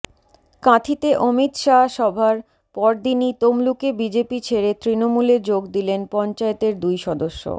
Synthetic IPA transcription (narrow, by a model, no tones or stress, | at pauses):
kãt̪ʰit̪eʔomit̪ʃaʃɔbʱaɾ | pɔɾd̪init̪omlukebid͡ʑepit͡ɕʰeɾet̪ɾinomuleɾd͡ʑoɡd̪ilenpɔnt͡ɕaet̪eɾd̪ujʃɔd̪oʃːo̰